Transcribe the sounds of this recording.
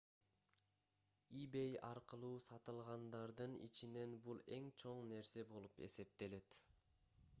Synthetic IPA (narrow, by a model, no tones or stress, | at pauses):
ibe̞jɑɾqɯlˠuːsɑt̪ɯlˠʁɑnd̪ɑɾd̪ɯnḭt͡ʃine̞nbulˠe̞ŋt͡ʃʰo̞ɴne̞ɾse̞bo̞lˠupe̞̰se̞p̚t̪e̞le̞t̪